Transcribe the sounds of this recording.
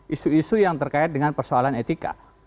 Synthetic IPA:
ʔisuisujaŋt̪ərkaɪt̪̚dəŋanpərsoalanet̪ika̰

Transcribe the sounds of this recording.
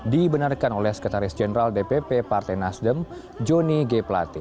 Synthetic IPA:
dibənarkanolɛhsə̥kat̪aɾɪsd͡ʒɛnəɾaldepepepart̪ɛjnasdəm | d͡ʒoniɡeplat̪ɪ

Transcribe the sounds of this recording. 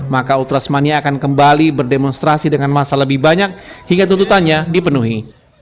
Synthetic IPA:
makaut̪ɾasmaniaːkankəmbalibərdemɔnst̪ɾasidəŋanmasaləbɪhbaɲak̚hiŋɡat̪unt̪ut̪anɲadipənuɦi

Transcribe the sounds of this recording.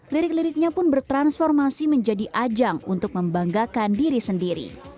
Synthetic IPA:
liɾɪkliɾɪk̚ɲapʊnbərt̪ɾansfɔrmasiməɲd͡ʒadiʔad͡ʒaŋṵnt̪ʊk̚məmbaŋɡakandiɾisəndiɾḭ

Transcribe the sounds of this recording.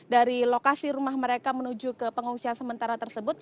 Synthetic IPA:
daɾilokasiɾumahməɾekamənud͡ʒukəpəŋuŋsiansəmənt̪aɾat̪ərsəbʊt̪̚

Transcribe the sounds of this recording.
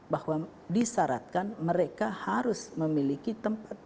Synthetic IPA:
bahwa | disaɾa̰t̪̚kanməɾekahaɾʊsməmilikit̪əmpat̪̚

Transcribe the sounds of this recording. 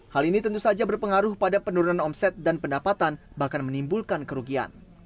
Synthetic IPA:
halinit̪ənt̪usad͡ʒabərpəŋaɾʊhpadapənuɾunanɔmsɛt̪̚danpəndapat̪an | bahkanmənimbulkankəɾuɡia̰n

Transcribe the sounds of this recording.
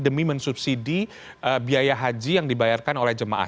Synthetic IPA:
dəmimənsup̚sidi | ʔəbiajaɦad͡ʒijaŋdibajarkanolɛhd͡ʒəma̰ʔa̰

